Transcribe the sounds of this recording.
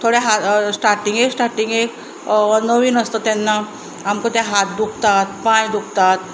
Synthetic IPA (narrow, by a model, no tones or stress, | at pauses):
t̪ʰoɽjaɦasʈaɾʈiŋɡeksʈaɾʈiŋɡek | nəʋiːnəst̪ət̪ɛnːa | amkot̪jaɦat̪̚d̪ukʰt̪at̪pãjd̪uk̚ʰt̪at̪